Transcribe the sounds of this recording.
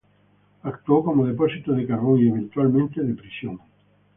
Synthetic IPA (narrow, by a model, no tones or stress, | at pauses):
akt̪uokomoðepɔsit̪oðekaroŋieβent̪ualmẽnt̪eðepɾisjoŋ